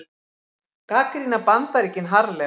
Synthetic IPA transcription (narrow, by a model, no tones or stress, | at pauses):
kaːkɾinapant̪aɾicɪnɦaɾlɛ